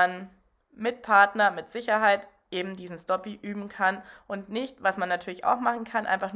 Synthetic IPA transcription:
an | mɪt̚pʰaɐtnɐmɪtz̥ɪçɐɦaɪt | ʔeːbm̩diːzn̩stɔpiʔyːbm̩kʰanʔʊntnɪçtvasmanːatʰyːɐlɪça̰ʊxmaχn̩kʰanʔa̰ɪnfaχn

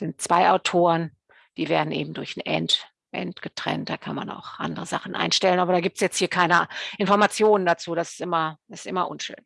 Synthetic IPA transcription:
z̥ɪntt͡sv̥aɪʔaʊtʰoːʁən | d̥iːveːɐdn̩ʔḛːbm̩dʊɐçn̩ʔɛ̰nt | ʔɛ̰ntɡ̥ətʁ̥ɛ̰nt̚d̥aːkʰanma̰na̰ʊxʔa̰ndəʁəzaχn̩ʔa̰ɪnʃtɛlənʔaːbɐɾaːɡiːp̚tsjɛt͡sthiːɐkʰaɪnəʔɪnfɔɐmat͡sjoːnəndat͡suːdasɪ̥stʔɪmɐɪstʔɪmɐʔʊ̰nʃø̰ːn

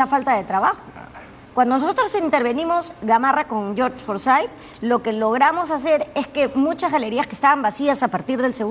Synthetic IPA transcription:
afalt̪aðe̞t̪ɾaβaxo | kwand̪o̞nos̬o̞t̪ɾosint̪e̞ɾβe̞nimo̞zɣamarako̞ŋɟ͡ʝoɾt͡ʃfoɾsajt̪ | lo̞ke̞lo̞ɣ̞ɾamo̞sas̬e̞ɾe̞ske̞mũt͡ʃazɣale̞ɾiaskest̪aβambasiasapaɾt̪iɾðe̞lseɣ

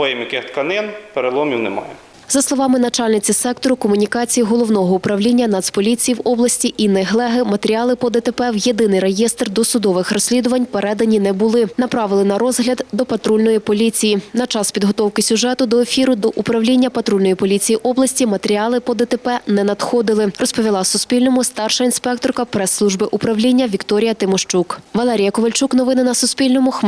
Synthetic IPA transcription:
ɔjɪmʲikɪxt̪kɐnɪnpeɾelˠɔmʲiwnɛmɑ̰jɛ | zɐslˠɔʋɑmɪnɐt͡ʃɑlʲnɪt͡sʲisɛkt̪ɔɾʊkɔmʊnʲikɑt͡sʲijiɦɔlˠɔwnɔɦɔʊpɾɐwlʲinʲːɐnɑt̪spɔlʲit͡sʲijiwɔblˠɐsʲtʲiʔinɛɦlˠɛɦɪmɐt̪eɾʲiɑlˠɪpɔd̪et̪epɛwjed̪ɪnɪjɾejest̪rd̪ɔsʊd̪ɔʋɪxɾɔsʲlʲid̪ʊʋɐnʲpeɾʔɛd̪ɐnʲinɛbʊlˠɪnɐpɾɑʋɪlˠɪnɐɾɔzɦlʲɐd̪d̪ɔpɐt̪ɾulʲnɔjipɔlʲit͡sʲijinɐt͡ʃɑspʲid̪ɦɔt̪ɔwkɪsʲʊʒɛt̪ʊd̪ɔefʲiɾʊd̪ɔʔupɾɐwlʲinʲːɐpɐt̪ɾulʲnɔjipɔlʲit͡sʲijiʔɔblˠɐsʲtʲimɐt̪eɾʲiɑlˠɪpɔd̪et̪epɛnɛnɐd̪xɔd̪ɪlˠɪrɔspɔʋʲilˠɑsʊsʲpʲilʲnɔmʊst̪ɑrʃɐinspɛk̚t̪ɔrkɐpɾɛsːlˠuʒbɪʔʊpɾɐwlʲinʲːɐʋʲikt̪ɔɾʲijɐt̪ɪmɔʃt͡ʃukʋɐlˠɛɾʲijɐkɔʋɐlʲt͡ʃuknɔʋɪnɪnɐsʊspʲilʲnɔmʊx

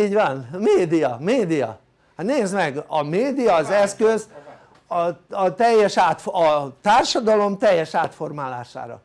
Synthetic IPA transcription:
iːɟvɒnmeːd̪ijɒmeːd̪ijɒ̰ | haneːzmɛɡɒmeːd̪ijɒːzɛskøz | ɒɒt̪ɛjːɛʃaːt̪fɒt̪aːrʃɒd̪ɒlo̞mt̪ɛjːɛʃaːt̪fo̞rmaːla̰ːʃa̰ːɾɒ̰

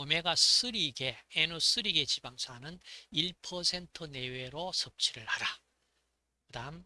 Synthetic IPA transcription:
ɯme̞ɡas͈ʰɯɾiɡe̞enos͈ɯɾiɡe̞t͡ɕibaŋsʰanɯniɭpʰʌsʰe̞ntʰɯne̞we̞ɾosʰʌp̚t͡ɕʰiɾɯɭhaɾa | kɯdam

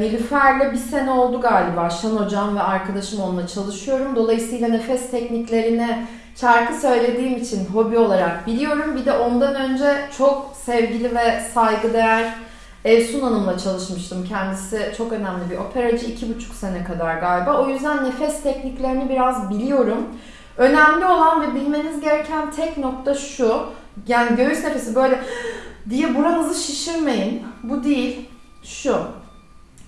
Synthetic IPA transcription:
nilʲyfæɾlʲɛbise̞nɛo̞lˠd̪uɡaːlʲibaːʃano̞d͡ʒamvɛaɾkad̪aʃɯmo̞nunˠat͡ʃʰalˠɯʃɯjo̞ɾumd̪o̞lˠajɯsɯjlˠane̞fɛst̪ʰɛcniclʲe̞ɾinɛ | t͡ʃʰaɾk̪isø̞jlʲe̞d̪iːmit͡ʃʰinɦo̞bio̞lˠaɾak̚bilʲijo̞ɾumbid̪ɛʔo̞nd̪anø̞nd͡ʒɛt͡ʃʰo̞k̚sɛvɟilʲivɛsajɡɯd̪e̞jæɾ̥ | ɛvsunanɯmlˠat͡ʃʰalˠɯʃmɯʃt̪ʰɯmcʰɛnd̪isɪt͡ʃʰo̞kø̞næmlʲibiʔo̞pʰe̞ɾad͡ʒɯicʰibut͡ʃʰu̥kse̞nɛkad̪aɾɡalʲbao̞jyzd̪ænːe̞fɛst̪ʰɛcniclʲe̞ɾinibiɾazbilʲijo̞ɾum | ø̞næmlʲio̞lˠanvɛbilʲme̞nizɟe̞ɾɛcʰænt̪ʰɛcno̞k̚t̪ʰaʃu | jaːniɟø̞jyʃne̞fe̞sibø̞jlʲɛd̪ijɛbuɾanɯzɯʃiʃiɾme̞jinbud̪ijilʲ | ʃu

